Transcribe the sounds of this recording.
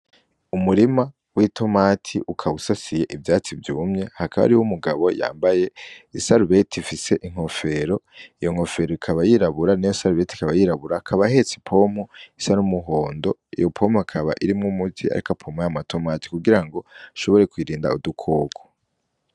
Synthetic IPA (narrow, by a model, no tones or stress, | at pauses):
umuɾima | witʰo̞matʰḭʔukʰaβusasije̞ʔibjaːt͡sivjuːmɲe̞hakʰaβa̰ɾihumuɡaβo̞̰ja̰ːmbaje̞isaɾuβe̞tʰifise̞ʔiŋ̥ho̞fe̞ɾo̞ijoŋ̥o̞fe̞ɾoikʰaβajiɾaβuɾanijosaɾuβe̞ti̥kaβajiɾaβuɾakʰaβahe̞t͡si̥pʰo̞moisanumuɦo̞ːndo̞ḭjo̞pʰo̞makʰaβa̰ʔiɾimŋumuzia̰ɾikapʰomojamatʰo̞mati̥kuɡiɾaŋɡo̞ʃo̞βo̞ɾe̞kwiːɾiːnda̰udukʰo̞ːkʰo̥